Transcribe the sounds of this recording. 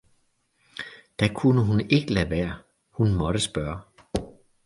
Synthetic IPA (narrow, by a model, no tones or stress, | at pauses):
d̥ækʰunəɦune̝ɡ̥əlæʋæːɐ | hunmɒ̽ɾ̥əsb̥ɶːɐ